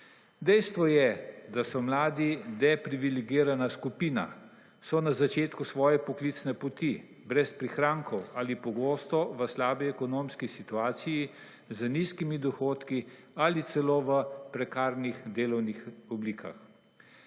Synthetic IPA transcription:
d̪ɛjst̪ʋɔjɛd̪asɔmlaːd̪inɛpɾiʋiliɡiːɾanaskupiːna̰ | sɔnazat͡ʃeːt̪kusʋɔːjɛpɔkliːt̪snɛpɔt̪i | bɾɛspɾixɾaːŋkʰɔwaːlipɔɡoːst̪ɔʋəslaːbiɛkɔnoːmskisit̪uaːt̪siji | zəniskimid̪ɔxoːt̪ki | alit̪sɛloːʋəpɾɛkaːɾnixd̪eːlɔwnixɔbliːkʰa̰x

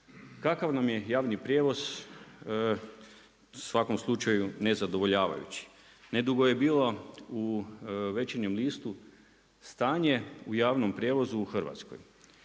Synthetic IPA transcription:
kakaʋnamje̞jaːʋnipɾʲjeːʋo̞z̥ | sʋako̞mslˠut͡ʃajune̞zad̪o̞ʋo̞ʎaːʋa̰jṵt͡ɕi̥ | ne̞d̪uɡoje̞biːlo̞uʋe̞t͡ɕeɲemliːst̪u | st̪aːɲe̞ujaːʋnompɾʲjeːʋo̞zuːxr̩ʋa̰t̪sko̞̰j

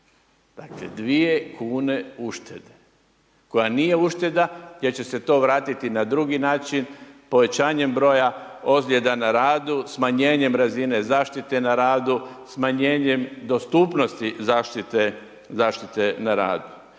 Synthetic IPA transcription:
d̪̥aklḛd̪ʋie̞kʰuːne̞uʃt̪e̞d̪e̥ | ko̞janije̞uʃt̪e̞d̪aje̞ɾt͡ɕe̞se̞t̪o̞ːʋɾaːt̪it̪inad̪ɾuɡinaːt͡ʃinpo̞ʋe̞t͡ɕaːɲe̞mbɾo̞jaozlʲjed̪anaɾaːd̪usmaɲe̞ːɲe̞mɾazine̞zaːʃt̪it̪e̞naɾaːd̪usmaɲeːɲe̞md̪o̞st̪upno̞st̪izaːʃt̪it̪e̞ | zaːʃt̪it̪e̞naɾa̰ːd̪u

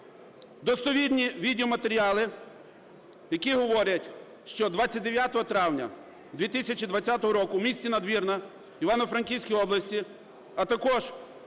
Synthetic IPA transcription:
d̪ɔst̪ɔʋʲidʲnʲiʋʲid̪ʲeɔmɐt̪eɾʲiɑlˠɪ | jɐkʲiɦɔʋɔɾʲɐtʲ | ʃt͡ʃɔd̪ʋat͡sʲːɐt̚ʲd̪eʋʲjat̪ɔɦɔt̪ɾɑwnʲɐ̰ | d̪ʋʲit̪ɪsʲɐt͡ʃid̪ʋɐtt͡sʲːat̪ɔɦɔɾɔkʊwmʲisʲt͡sʲinɐd̪ʋʲirnɐ | iʋɑnɔfɾɐnʲkʲiwʲsʲkʲijɔblˠɐsʲtʲi | ɐt̪ɐkɔʒ

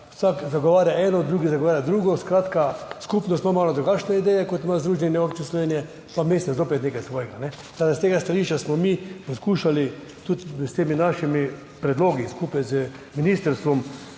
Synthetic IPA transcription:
ʊsakzaɡɔʋaːɾjaɛːnɔd̪ɾuːɡizaɡoʋaːɾjad̪ɾuːɡɔskɾaːt̪kaskupnɔst̪mamaːlɔd̪ɾuɡat͡ʃnɛid̪ɛːjɛkot̪ɪmazd̪ɾuːʒɛnɛokt͡ʃislɔʋeːnijɛ | pameːsɛzoːpɛt̪nekajsʋoːjɛɡanɛ | sad̪ast̪eːɡast̪aliʃt͡ʃasmɔmiposkuːʃali | t̪ut̪st̪eːminaʃimi | pɾɛd̪loːɡiskupajzə | minist̪əɾst̪ʋɔm

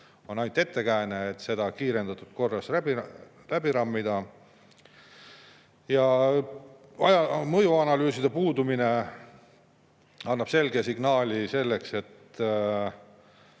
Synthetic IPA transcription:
o̞nɑjnt̪ːˑe̞t̪ːe̞kæeneet̪ːˑse̞d̪̥ɑkiːɾe̞nd̪̥ɑt̪ːˑud̪̥̚ko̞rːɑsæbi | læbiɾɑmːid̪̥ɑ | jɑ | ɑjɑmɤjuɑnɑlyːsid̪e̞puːd̪umine̞ | ɑnːɑb̥se̞lɡesiɡ̥nɑːlʲise̞lːe̞kse̞t̪

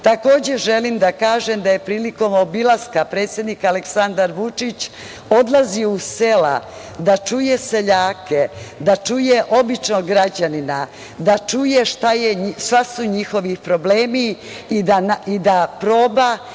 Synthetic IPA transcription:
t̪ako̞ːd͡ʑe̞ʒe̞limd̪akaːʒemd̪aje̞pɾiːliko̞mo̞bilˠaskapɾe̞ːt̪sʲje̞d̪nikaleksand̪aɾʋut͡ʂit͡ɕ | o̞d̪lˠaziusela̰ | d̪at͡ʂujese̞ʎaːked̪at͡ʂuje̞ʔo̞bit͡ʃnoɡɾad͡ʑanina | d̪at͡ʂujeʃt̪ajeʃasuɲixo̞ʋipɾo̞bleːmiː | d̪anaid̪apɾo̞ːba

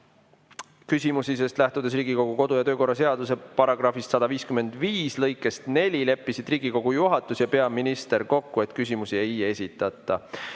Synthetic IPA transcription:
kysʲimusis̬e̞st̪læht̪ud̪̥e̞s̬riːɡ̥iko̞ɡ̥uko̞d̪̥ujɑt̪øːko̞rːɑse̞ɑd̪use̞pɑɾɑɡ̥rɑfist̪sɑd̪̥ɑviːskyme̞nd̪̥viːslɤ̞jkːˑe̞st̪ne̞lʲile̞pːˑisid̪̥riːɡ̥iko̞ɡ̥ujuɦɑt̪ːˑusjɑpe̞ɑminist̪e̞rko̞kːue̞t̪kys̬ʲimusie̞je̞sʲit̪ˑːɑt̪ːˑɑ

